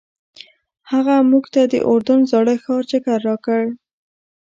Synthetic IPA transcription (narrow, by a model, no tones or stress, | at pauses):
haɣamuɡt̪ad̪ə̰ʔoɾd̪ʊnzɑɽəxɑɾt͡ʃɪkaɾːɑkəɽ